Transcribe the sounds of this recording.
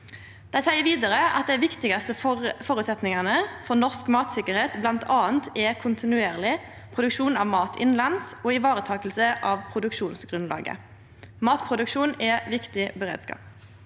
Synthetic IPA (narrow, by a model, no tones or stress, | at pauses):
d̪̥æɪsæɪəʋiːd̪ɑʁəʔɑ̰t̪̚d̪æɪʋɪkt̪ɪɡɑst̪əfɔːɾʉːt̪sɛt̪nɪŋɑnəfɔʁnɔʁskmɑːt̪sɪkəʁheːt̪blɑnt̪ʰɑːənt̪ʰɛkʰʊnt̪ʰɪnʉeːʁlɪ | pʰʁʊd̪ʉkʃuːnɑʋmɑːt̪ʰɪnlɑnsoːɪʋɑːʁət̪ʰɑːkəlsəʔɑːʋpʰʁʊd̪ʉkʂuːnsɡʁʉnlɑ̰ːɡə̰ | mɑːt̪pʰʁʊd̪ʉkʃuːnɛʋɪkt̪ɪbəʁḛːd̪skɑ̰ːp